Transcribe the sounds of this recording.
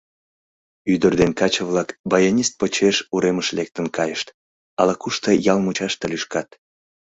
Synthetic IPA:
yd̪ərd̪enkɑt͡ɕəβlɑkbɑjonʲist̪̚pot͡ɕeʃuɾeməʃlek̚t̪ənkɑjəʃt̪ | ɑlɑkuʃt̪əjɑlmut͡ɕɑʃt̪əlyʃkɑt̪

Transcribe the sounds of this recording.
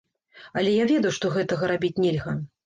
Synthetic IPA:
ɐlʲɛjavʲɛd̪ɐwuʂt̪ɔɣɛt̪ɐɣɐɾabʲit͡sʲnʲɛlʲɣɐ

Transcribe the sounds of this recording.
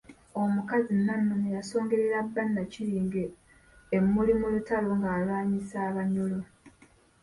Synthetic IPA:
o̞mukazinːanːunejaso̞ːŋɡe̞ɾeɾabːanːaciɾiːŋɡeː | mːulimulutaloŋɡaːlwaːɲisaːβaɲolo

